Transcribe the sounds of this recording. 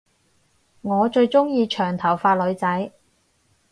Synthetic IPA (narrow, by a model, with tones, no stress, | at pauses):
ŋɔː˨˧t͡ʃɵ˧ɥt͡sʊ˥ŋjiː˧t͡ʃʰœː˨˩ŋt̪ʰɐ˨˩wfaː˧t̚lɵ˨˧˥ɥt͡sɐ˨˥j